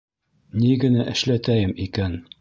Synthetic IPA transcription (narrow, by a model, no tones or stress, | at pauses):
niɡɘ̆næʔɘ̆ʃlæt̪æjɘmikæn